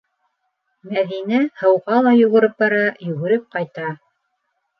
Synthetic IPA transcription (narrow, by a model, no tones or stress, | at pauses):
mæðinæhɤ̆wʁɑlˠɑjɵ̆ɣɘ̆ɾɘp̚bɑɾɑjɵ̆ɣɵ̆ɾɘp̚qɑjt̪ɑ